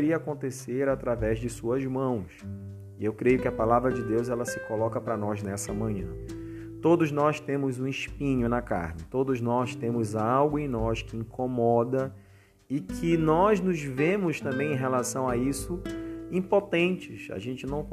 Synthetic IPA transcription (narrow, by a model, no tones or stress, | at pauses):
ɾiɐakõnt̪eseɾat̪ɾavɛzd͡ʒɪsuɐzmɐ̃w̃s | ɪewkɾejʊkɪɐpalavɾɐd͡ʒɪd̪ewzɛlɐsɪkolɔkɐpɾɐnɔznɛsɐmɐ̃ɲɐ̰̃ | t̪od̪ʊznɔst̪ẽmʊzũɪʃpĩɲʊnɐka̰ɾnɪt̪od̪ʊznɔst̪ẽmʊzawɡʊẽj̃nɔskɪĩŋkʰomɔd̪ɐ | ɪkʰɪnɔznʊzvẽmʊst̪ɐ̃mbẽj̃ẽj̃ɦelasɐ̃w̃aisʊĩpot̪ẽnt͡ʃɪsa̰ʒẽnt͡ʃɪnɐ̃w̃